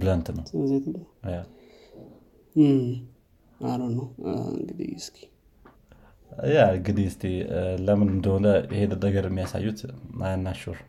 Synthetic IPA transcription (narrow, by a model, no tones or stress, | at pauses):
bɨlənt̪nəwzet̪loja | aɾonːəwɨ̰ŋɡɨd̪ḭɨsk̪ʰi̥ | jaɡɨd̪iɪst̪ʰiləmɨnɨnd̪ownd̪əɪhed̪ɨd̪əɡəɾəmːijasa̰jːut̪najanːaʃuɾ